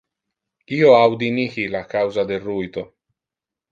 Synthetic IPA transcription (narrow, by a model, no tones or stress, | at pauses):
iːoawd̪inixilakawzad̪elrːuit̪o